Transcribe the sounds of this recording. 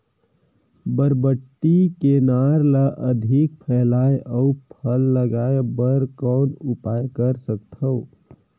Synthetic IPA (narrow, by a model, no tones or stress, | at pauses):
bəɾbəʈːikenaːɾlaʔəd̪ʱɪk̚pʰɛːlaːeʔəʊpʰəlːəɡaːebəɾkɔːnʊpaːjkəɾsəkt̪ɦə